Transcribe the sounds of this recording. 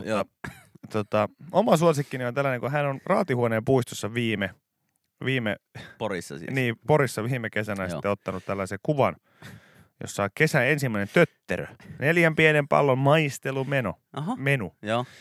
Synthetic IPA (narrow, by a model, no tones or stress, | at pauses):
oɑ | t̪ot̪ɑomɑsuosikːiniont̪ælːæneŋkuɦænonrɑːt̪ihuoneːmpuist̪osːɑʋiːme | ʋiːmḛporisːɑ̰sḭniːpoɾisːɑʋiːmekesænæsi̥ːeot̪ːɑnut̪t̪ælːæsekuʋɑn | jo̰sːɑokesæensimːæinent̪øt̪ːḛrø̰neljæmpienempɑ̰lːommɑist̪elumeno̰ | ɑɦɑmenujoː